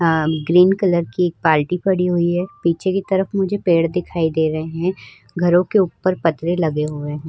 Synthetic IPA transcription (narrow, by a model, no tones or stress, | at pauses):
ɡɾiːnkɐləɾkieːk̚paːlʈipɐɽiɦʊiɦɛːpiːt͡ʃʰekit̪ɐɾəfmʊd͡ʒʱepeːɽd̪ɪkʰaːid̪eːɾɐɦeɦɛ̃ | ɡʱɐɾõkeuːpːəɾpɐt̪ɾelɐɡeɦoːɾeɦɛ̃